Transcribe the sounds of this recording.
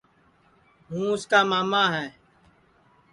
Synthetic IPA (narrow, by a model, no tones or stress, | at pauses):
ɦũːʊskaːmaːmaːɦɛ̃ː